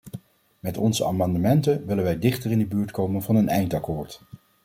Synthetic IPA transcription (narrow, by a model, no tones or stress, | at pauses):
mɛtɔnzəa̰ːmɑndəmɛntənʋɪlənʋɛjdɪχtərɪndəbyːɹtkowmənvɑnənɛjntɑkoːɹt